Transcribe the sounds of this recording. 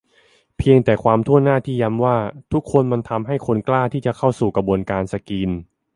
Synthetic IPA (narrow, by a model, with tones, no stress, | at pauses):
pʰi˧əŋt̪ɛː˨˩kʰwaː˧mt̪ʰu˥˩ənaː˥˩t̪ʰiː˥˩ja˦˥mwaː˥˩t̪ʰu˦˥kʰːo˧nma˧nt̪ʰa˧mɦa˥˩jkʰo˧nklaː˥˩t̪ʰiː˥˩t͡ɕa˨˩kʰa˥˩wsuː˨˩kɾa˧bu˧ənkaː˧nsa˧kiː˧n